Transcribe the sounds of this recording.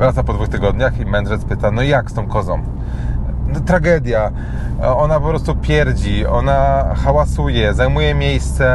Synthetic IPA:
vɾat̪sapɔd̪vuxt̪ɘɡɔd̪ɲaximɛnd̪ʐɛt̪spɘt̪anɔjakst̪ɔ̃w̃kɔzɔ̃m | nɔt̪ɾaɡɛd̪ʲja | ɔnapɔpɾɔst̪upʲjɛɾd͡ʑiɔ̰naxawasujɛzajmujɛmʲjejst̪sɛ

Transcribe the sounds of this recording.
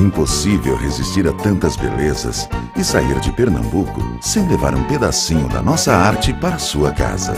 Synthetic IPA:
ĩposivewhezist͡ʃiɾat̪ɐ̃nt̪ɐzbḛlezɐ̰s | ɪsaiɾd͡ʒɪpeɾnɐ̰̃mbukʊ̰ | sẽj̃leva̰ɾũped̪asĩɲʊd̪ɐ̰nɔsɐaɾt͡ʃɪpaɾɐsuɐka̰zɐ̰

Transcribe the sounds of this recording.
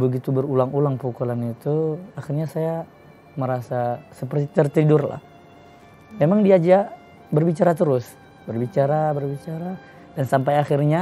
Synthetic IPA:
bəɡit̪ubərulaŋulaŋpukɔlanit̪uaxirɲasaja | məɾasasəpərt̪it̪ərt̪idʊrla̰h | memaŋdiad͡ʒaʔ | bərbit͡ʃaɾat̪əɾʊs | bərbit͡ʃaɾabərbit͡ʃaɾa | dansampajaxirɲa

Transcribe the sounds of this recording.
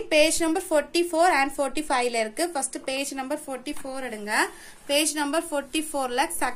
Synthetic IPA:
peːd͡ʒnɐmbɐɾfoːɾʈːifoːɾɛɳɖfoːɾʈːifɐɪʋlɐɪɾɯkːɯfɐsʈɯpeːd͡ʒnɐmbɐɾfoːʈːifoːɾɛɽɯŋɡɐ | peːd͡ʒnɐmbɐɾfoːɾʈːifoːɾlɐksɐ

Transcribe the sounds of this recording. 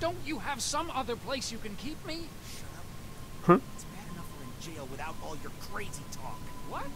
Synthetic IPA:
d̥õʊ̃nt͡ʃɨəv̥sʌ̃mʌðə˞pʰl̥eɪsjɨkɨ̃nkʰip̚mi | ʃʌɾʌp̚ | h̩ɨtsb̥æɾɨnʌfə˞ɨ̃nd͡ʒeɪlˠwɨθaʊɾɔlˠjə˞kʰɹ̥eɪzitʰɔ̰kwʌt̚

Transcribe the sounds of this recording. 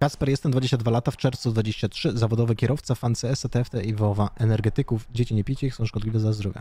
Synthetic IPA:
kaspɛɾjɛst̪ɛmd̪vad͡ʑeɕt͡ɕad̪valat̪aft͡ʂɛɾft̪sud̪vad͡ʑeɕt͡ɕatʂɘzavɔd̪ɔvɛkʲɛɾɔft̪safant̪sɛɛsɛt̪ɛɛft̪ɛivɔvaʔɛnɛɾɡɛt̪ɘkufd͡ʑet͡ɕiɲɛpʲit͡ɕɛixsɔ̃w̃ʂkɔd̪lʲivɛzazd̪ɾɔvʲja̰

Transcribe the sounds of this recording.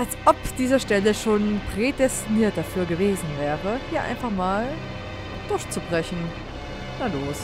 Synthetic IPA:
ʔalsʔɔpd̥iːzɐʃtɛləʃoːnpʁ̥edɛstiniːɐt̚d̥afyːɐɡəveːzn̩vɛːʁəhiːɐʔa̰ɪnfaχmaːl | d̥ʊɐçt͡subʁɛçn̩ | naloːs

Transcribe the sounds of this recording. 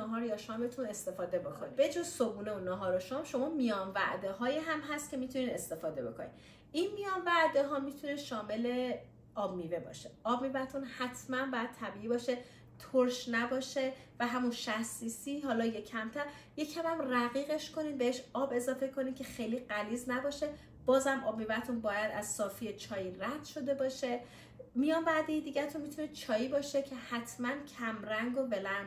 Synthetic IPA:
ɒɦɒːɾjɒʃɒːmet̪ʰune̞st̪e̞fɒːd̪e̞bo̞kʰonibe̞d͡ʒozsobuːneunːɒɦɒːɾoʃɒːmʃo̞mɒːmijɒːnvæ̰ʔd̪eɦɒːjiɦæmɦæst̪̚cʰe̞miːt̪ʰuniːd̪est̪e̞fɒːd̪e̞bo̞̰kʰonḭd̪ | ʔinmijɒːnvæʔd̪eɦɒːmit̪ʰuneʃɒːme̞le̞ | ɒːbmiːve̞bɒ̰ːʃe̞ɒːb̚miːvæt̪ʰunhæt̪ʰmænbɒːjæd̪̚t̪ʰæbiːiːbɒːʃe̞ | t̪ʰoɾʃnæbɒːʃe̞ | væɦæmunʃæxsiːsiɦɒːlɒːjecʰæmt̪ʰæɾ | je̞cʰæmæmræɣiːɣe̞ʃko̞niːd̪̚be̞heʃɒːbe̞zɒːfe̞kʰo̞niːd̪kcʰe̞xejliːɢæliːznæbɒːʃe̞ | b̥ɒːzæmʔɒːb̚miːvæt̪ʰunbɒːjæd̪æzsɒːfijet͡ʃʰɒːjiːɾæd̪̥ʃo̞d̪e̞bɒːʃe̞ | mijɒːnbæːd̪ejid̪iːɟæt̪ʰunmit̪ʰunet͡ʃʰɒːjiːbɒːʃe̞cʰehæt̪ʰmæncʰæmɾæŋɡo̞be̞lænd̪

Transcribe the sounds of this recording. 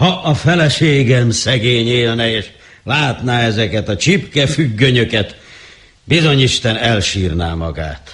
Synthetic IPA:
hɒʔɒfɛlɛʃeːɡɛmsɛɡeːɲeːlnɛeːʃ | laːt̪naːɛzɛkɛt̪ɒt͡ʃipkɛfyɡːø̞ɲø̞kɛt̪ | bizo̞ɲiʃt̪ɛnɛlʃiːrna̰ːmɒɡa̰ːt̪

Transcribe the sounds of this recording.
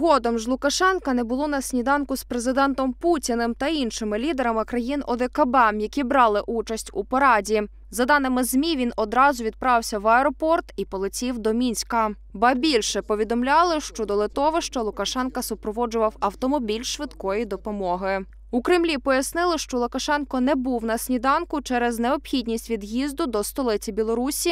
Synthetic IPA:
ɦɔd̪ɔmʒlˠʊkɐʃɛnkɐnɛbʊlˠɔnɐsʲnʲid̪ɑnkʊspɾezɪd̪ɛnt̪ɔmputʲinɪmt̪ɐinʃɪmɪlʲid̪eɾɐmɪkɾɐjinɔd̪ekɐbɛmjɐkʲibɾɑlˠɪʔut͡ʃɐsʲtʲupɐɾɑdʲi | zɐd̪ɑnɪmɪzmʲiʋʲinɔd̪ɾɑzʊʋʲid̪̚pɾɑwsʲɐʋɐeɾɔpɔrt̪ipɔlˠɪt͡sʲiwd̪ɔmʲinʲsʲkɐ | bɐbʲilʲʃɛpɔʋʲid̪ɔmlʲɑlˠɪʃt͡ʃɔd̪ɔlˠɪt̪ɔʋɔʃt͡ʃɔlˠʊkɐʃɛnkɐsʊpɾɔʋɔd͡ʒʊʋɐwɐwt̪ɔmɔbʲilʲʃʋɪd̪kɔjid̪ɔpɔmɔɦɪ | ʊkɾɪmlʲipɔjɐsnɪlˠɪʃt͡ʃɔlˠʊkɐʃɛnkɔnɛbuwnɐsʲnʲid̪ɑnkʊt͡ʃɛɾɛznɛɔpxʲidʲnʲisʲtʲʋʲid̪jizd̪ʊd̪ɔst̪ɔlˠɪt͡sʲibʲilˠɔɾusʲi

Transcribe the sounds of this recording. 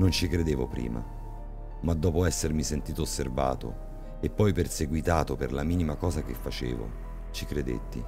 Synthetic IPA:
nont͡ʃikɾed̪eːvopɾḭːma̰ | mad̪ːɔːpoɛsːermisent̪iːt̪oːsːerva̰ːt̪o̰ | epːɔjperseɡwit̪aːt̪operlamiːnimakɔːzak̟efːat͡ʃḛːvo̰ | t͡ʃikɾed̪ḛt̪ːḭ

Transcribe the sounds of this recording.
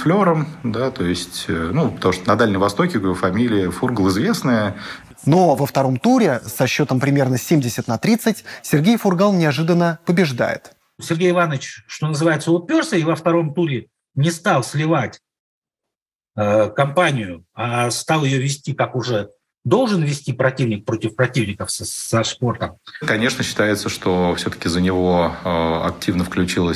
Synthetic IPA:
flʲo̞ɾəmd̪at̪ojɪsʲtʲnupə̥t̪ɐmuʂt̪ənɐd̪alʲnʲɪmvɐst̪o̞kʲɪkfɐmʲilʲɪjəfurɡlˠɪzvʲe̞snəjə | novəft̪ɐɾo̞mt̪uɾʲɪsɐɕːo̞t̪əmpɾʲɪmʲe̞rnəsʲemʲdʲɪsʲɪt̪nɐt̪ɾʲit̪sɨtʲsʲɪrɡʲejfʊrɡalˠnʲɪɐʐɨd̪ənːəpəbʲɪʐd̪a̰jɪ̰t̪ | sʲɪrɡʲejɪvanət͡ɕʂt̪o̞nəzɨvajɪt̪səʊpʲːo̞rsəivəft̪ɐɾo̞mt̪uɾʲɪ | nʲɪst̪ɑlˠsʲlʲɪvatʲ | əkɐmpanʲɪjʊast̪ɑlˠjɪjovʲɪsʲtʲikakʊʐɛ | d̪o̞lˠʐɨnvʲɪsʲtʲipɾɐtʲivnʲɪk̚pɾo̞tʲɪfpɾɐtʲivnʲɪkəfsəspo̞rt̪əmkɐnʲe̞ʂnəɕːɪ̥t̪ajɪt̪səʂt̪ofsʲot̪ə̥kʲɪzənʲɪvoɐ̰k̚tʲʰivnəfklʲʉt͡ɕilˠə

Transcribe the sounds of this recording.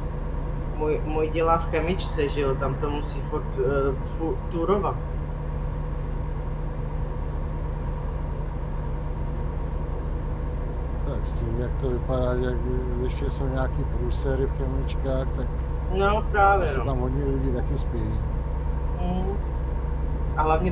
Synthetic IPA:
mujmujɟɛlaːfkɛmɪt͡ʃt͡sɛʒɪot̪amt̪omusiːfoɾk | fut̪uɾovat̪̚ | t̪aksciːmjak̚t̪ovɪpadaːʒɛajɪʃcɛsowɲɛakiːpɾuːsɛɾɪfkɛmɪt͡ʃkaːxt̪ak | nopɾaːvjɛsnɛot̪amɦod̪ɲɛlɪɟiːt̪akɪspɛji | ʔaɦlavɲɛ

